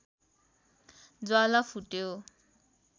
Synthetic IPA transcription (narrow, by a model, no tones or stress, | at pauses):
d͡zwalapʰuʈjo